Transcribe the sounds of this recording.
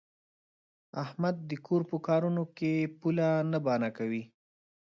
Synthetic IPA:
ahmad̪̚ːəkʰoɾpəkɑɾunokepulanabɑnakawi

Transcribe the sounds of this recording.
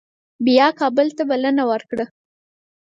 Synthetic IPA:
bijɑkɑbəlt̪abalənawəɾkɽə

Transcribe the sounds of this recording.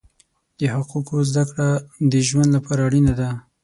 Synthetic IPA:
d̪̥əhaqukozd̪akɽad̪əʒwand̪lapɑɾaːɽinad̪a

